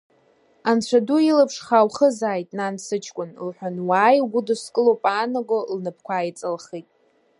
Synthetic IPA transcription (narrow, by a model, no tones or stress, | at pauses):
ant͡ɕʷʰaduilapʰʂχawχəzaːjtʼnansɨt͡ʃʰkʷʼʊnlħʷᶣanwaːjɡʷʊdɨskʼɨlopʼaːnaɡʷolnɨpʰkʷʰaːjt͡sʼɨlχijtʼ